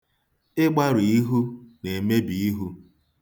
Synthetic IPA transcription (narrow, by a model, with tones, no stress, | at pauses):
ɪ˦ɡ͡ba˦ɾi˨i˦ɦu˦ne˨me˦bi˨i˦ɦu˦